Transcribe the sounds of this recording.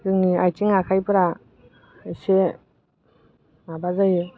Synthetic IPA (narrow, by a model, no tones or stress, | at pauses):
kɯŋniajtiŋakʰajpɯɾa | se | mabazajɯ